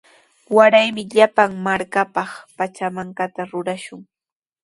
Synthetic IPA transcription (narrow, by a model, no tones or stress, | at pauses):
waɾajmɪʎapaŋmaɾkapɑχpat͡ʃamaŋkat̪aɾʊɾaʃʊŋ